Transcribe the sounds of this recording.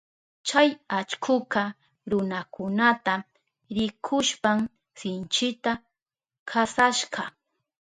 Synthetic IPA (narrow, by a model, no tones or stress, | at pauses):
t͡ʃajat͡ʃkʰʊka | ɾʊnakʊnat̪a | ɾɪkʰʊʃpam | sɪnt͡ʃɪt̪a | kʰasaʃɢɑ